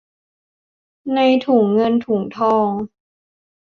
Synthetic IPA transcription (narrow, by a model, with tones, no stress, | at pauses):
na˧jt̪ʰuː˩˦ŋːɤ˧nt̪ʰuː˨˩˦ŋt̪ʰɔː˧ŋ